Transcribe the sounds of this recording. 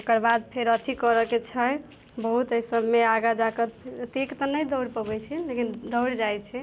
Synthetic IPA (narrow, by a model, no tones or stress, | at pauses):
okəɾbad̪̚pʰeɾət̪ʰikəɾəket͡ʃʰə | bəɦut̪əisəbʱmeaɡad͡ʒakət̪ekt̪ɔnəjd̪ɔwɽpəbɛjt͡ʃʰɛlekind̪ɔwɽd͡ʒajt͡ʃʰɛ